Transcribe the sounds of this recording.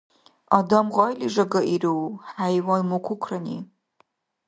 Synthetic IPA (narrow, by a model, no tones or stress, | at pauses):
adamʁʷajlʲiʐaɡaʔirɨwħajwajmokʷʰʊkʷʰranḭ